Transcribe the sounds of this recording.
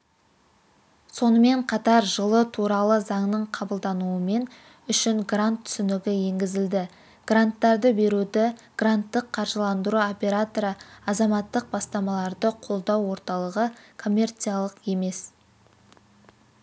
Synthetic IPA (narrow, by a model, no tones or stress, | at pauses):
so̞nəme̞ɴqʰɑt̪ɑɾʒəlˠət̪ʰuɾɑlˠəzɑɴnəɴqʰɑbəlˠd̪ɑnuəme̞n | ʏʃɪŋɡrant̪ʰːʏ̥sɪnɪɡʲɪje̞ŋɡʲɪzɪld̪ɪ | ɡ̥rant̪ːɑɾd̪əbe̞ɾud̪ɪɡ̥rant̪ːəqʰːɑɾʒəlˠɑnd̪əɾuo̞pʲe̞ɾat̪oɾəɑzɑmɑt̪ːəq̚bɑst̪ɑmɑlˠɑɾd̪əqʰo̞lˠd̪ɑwːo̞ɾt̪ɑlˠəʁəkʰo̞mʲːe̞rt̪sijalˠəqe̞me̞s